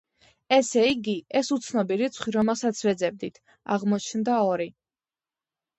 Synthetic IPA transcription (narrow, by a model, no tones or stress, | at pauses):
ɛsɛiɡiɛsut̪sʰnɔbiɾit̪sʰχwiɾɔmɛlˠsat̪sʰvɛd̪zɛb̚d̪it̪ʰ | a̰ʁmɔt͡ʃʰnd̪aɔɾi